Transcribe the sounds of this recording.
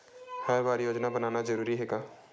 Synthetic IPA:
hɛʋaːɾjoːd͡ʒnabənaːnazəɾuːɾiɦeːɡaː

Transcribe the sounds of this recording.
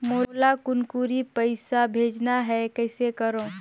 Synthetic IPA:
moːlakʊnkuɾipəɪsabʱeːd͡ʒnaɦɛkɛːsekɐɾõː

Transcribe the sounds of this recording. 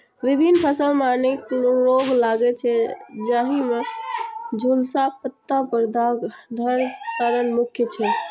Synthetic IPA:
ʋibʱinpʰəsəlmnekɾoɡlaɡɛt͡ʃʰɛd͡ʒaɦime | d͡ʒʱulsapət̪ːapəɾd̪ʱaɡd̪ʱəɾsəɾənmukʰjət͡ʃʰɛ

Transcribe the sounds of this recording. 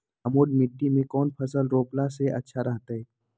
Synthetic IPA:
ɐmoːɖmɪɖːimẽkɔːnpʰɐsəlɾoːplaseɐ̰tːʃʰaɾɐɦt̪aɦɛː

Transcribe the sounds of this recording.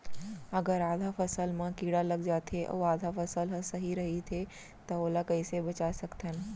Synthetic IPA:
ɐɡəɾaːd̪ʱafɐsəlmãkiːɽalɐɡd͡ʑaːt̪ʰeʔɐ̰ːaːd̪ʱafɐsəlɦɐsɐɦiɾɐɦit̪ʰe | t̪ɐoːlakɐisebɐt͡ɕaːsɐkt̪ʰənɪ̆

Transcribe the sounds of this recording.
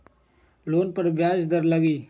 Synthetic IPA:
loːnpəɾbjaːd͡ʒd̪əɾləɡiː

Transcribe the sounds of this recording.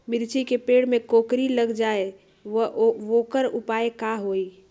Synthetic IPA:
miɾt͡ʃikepeɽmekokɾiləɡd͡ʒae | ʋəʋokəɾupaekaɦoi

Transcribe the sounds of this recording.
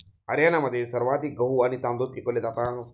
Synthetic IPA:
ɐɾʲjanamɐt̪esɐɾʋaːt̪iɡɐɦuanit̪and̪op̚kikolːet̪at̪aːŋ

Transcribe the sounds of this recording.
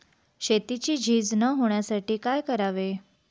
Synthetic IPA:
ɕet̪it͡ɕiːd͡ʑʱiːd͡znəɦoɳjasaʈiːkajkəɾaʋe

